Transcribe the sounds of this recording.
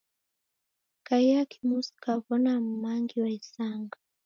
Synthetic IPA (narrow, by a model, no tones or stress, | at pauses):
kaiakʰi̥musi̥kavɔnam̩maŋɡiwaisaŋɡa